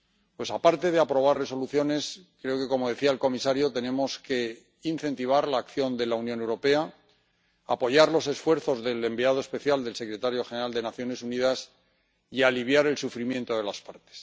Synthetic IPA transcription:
pwe̞sapaɾt̪e̞ðeapɾo̞β̞arre̞so̞luθjo̞ne̞skɾe̞o̞ke̞ko̞mo̞ðe̞θiaelko̞misaɾjo̞t̪e̞ne̞mo̞ske̞ | in̟θe̞nt̪iβ̞aɾlaːkθjo̞nd̪e̞launjone̞wɾope̞a | apo̞ʝaɾlo̞se̞sfwe̞ɾθo̞zðe̞le̞mbiað̞oespe̞θjald̪e̞lse̞kɾe̞t̪aɾjo̞xeneɾald̪e̞naθjo̞ne̞suniðas | ialiβ̞jaɾe̞lsufɾimje̞nt̪o̞ðe̞laspaɾt̪e̥s

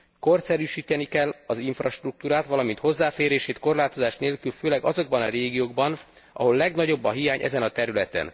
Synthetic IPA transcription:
ko̞rt̪sɛɾyːʃiːt̪ɛnikɛlːɒziɱfrɒʃt̪ruk̚t̪uːɾaːt̪ʋɒlɒmint̪ho̞zːaːfeːɾeːʃeːt̪ko̞rlaːt̪o̞zaːʃneːlkylføːlɛɡɒzo̞ɡ̚bɒnɒɾeːɡijoːɡ̚bɒn | ɒ̰ɦo̞lːɛɡnɒɟo̞bːɒɦijaːɲʔɛ̰zɛnɒt̪ɛɾylɛt̪ɛ̰n

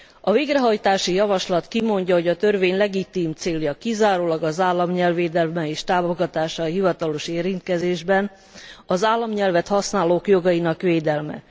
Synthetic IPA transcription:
ɒveːɡrɛɦɒjt̪aːʃijɒvɒʃlɒt̪kimo̞ɲɟɒɦo̞ɟɒt̪ø̞rveːɲlɛɡit̪iːmt̪seːljɒkizaːɾoːlɒɡɒzaːlːɒmɲɛlveːd̪ɛlmɛeːʃt̪aːvoɡɒt̪aːʃɒɦivɒt̪ɒloʃeːɾint̪̚kɛzeːʒbɛn | ɒzaːlːɒmɲɛlvɛt̪hɒsnaːloːkjo̞ɡɒjinɒkʋeːd̪ɛlmɛ̰

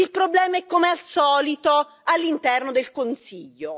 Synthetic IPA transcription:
ilpɾoblɛːmaɛkːomealsɔːlit̪o | alːint̪ɛrnod̪elkonsiʎːo

